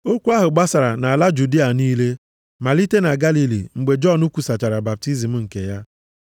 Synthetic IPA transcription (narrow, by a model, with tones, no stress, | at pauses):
o˦kʷu˦a˦ɦʊ˨ɡ͡ba˦sa˨ɾa˨na˨a˨la˦d͡ʒu˨di˦a˨niː˦le˦ | ma˨li˦te˦na˨ɡa˦li˦lḭ˨ŋ͡m̩˨ɡ͡be˨d͡ʒɔ˦˨nu˦kʷu˨sa˨t͡ʃa˨ɾa˨ba˨p̚ti˦zi˨m̩˦ŋ̩˨kḛ˨ja˦